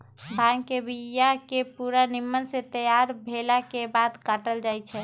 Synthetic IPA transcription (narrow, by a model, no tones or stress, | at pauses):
bʱaŋkebijakepuɾanimːənsẽt̪əjaɾbʱelakebad̪kaʈəld͡ʒajt͡ʃʰɛ